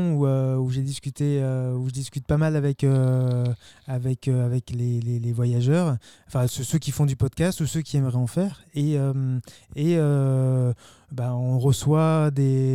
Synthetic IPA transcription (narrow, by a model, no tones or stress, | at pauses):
uøuʒed̪iskʲyt̪eøuʒəd̪iskʲyt̪̚pamalavɛkø | avɛkøavɛklelelevwajaʒœːʁɑ̃fɛ̃søsøkʲifɔ̃d̪ypɔd̪kʲast̪usøkʲiɛmʁɛɑ̃fɛːʁeømeø | baɔ̃ʁəswad̪e